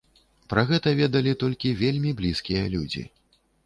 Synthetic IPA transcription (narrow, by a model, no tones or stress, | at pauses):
pɾɐɣɛt̪ɐvʲɛd̪ɐlʲit̪ɔlʲkʲivʲelʲmʲiblʲiskʲijɐlʲud͡zʲḭ